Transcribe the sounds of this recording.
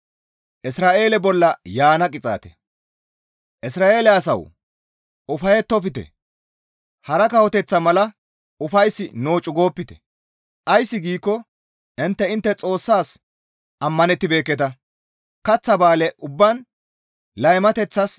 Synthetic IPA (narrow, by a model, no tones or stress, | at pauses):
ʔɪsɾaːʔe̞ːlɛbɔlːɐjaːnɐkʼɪt͡sʼa̰ːt̪ɛ̥̰ | ʔɪsɾaːʔe̞ːlɛɐsɐ̰w | ʊfɐjɛt̪ːɔp̬ɪt̪ɛ̰ | hɐɾɐkɐhɔt̪ɛt͡sːɐmɐlɐ | ʊfɐjsːɪnoːt͡ʃʼʊɡo̞ːpːɪt̪ɛ̥̰ | ʔɐjsːɪɡiːkːɔ | ʔɪnt̪ːɛɪnt̪ːɛt͡sʼo̞ːsːaːs | ʔɐmːɐnɛt̪ːɪbe̞ːkːɛt̪ɐ | kɐt͡sːɐbaːlɛʔʊbːɐn | lɐjmɐt̪ɛt͡sːɐs